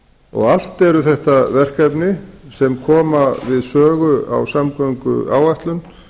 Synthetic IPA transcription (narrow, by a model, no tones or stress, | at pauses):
ɔ̰ɣal̥t̪ɛɾʏθɛht̪avɛr̥kapnɪsɛmkʰɔːmavɪðsœːɣʏa̰wsamkɔŋkʏ̰aːwajht̪lʏn